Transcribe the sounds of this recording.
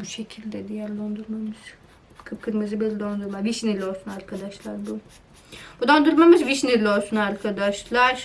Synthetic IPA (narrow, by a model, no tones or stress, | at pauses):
buʃecʰilʲd̪ɛd̪ijæɾlʲo̞nd̪uɾmamɯz̥ | kʰɯpkʰɯɾmɯzɯbelʲid̪o̞nd̪uɾmaviʃnilʲio̞lˠsunaɾkʰad̪aʃlˠaɾbu | b̥ud̪o̞nd̪uɾmamɯzviʃniɾlʲio̞lˠsunaɾkʰad̪aʃlˠaɾ̥